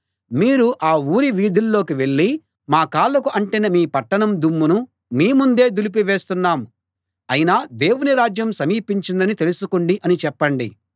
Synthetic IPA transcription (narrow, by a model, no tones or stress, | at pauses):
miːɾuʔaːuːɾiʋiːd̪ʱilːo̞ːkiʋe̞ɭːi | maːkaːɭːɐkuʔɐɳʈinɐmiːpɐʈːɐɳɐmd̪umːunu | miːmund̪e̞ːd̪ulip̬iʋe̞ːst̪unːaːmu | ɐjinaːd̪e̞ːwuniɾaːd͡ʒjɐmsɐmiːpiɲt͡ʃind̪ɐnit̪e̞lusukuɳɖiʔɐnit͡ʃɛpːɐɳɖḭ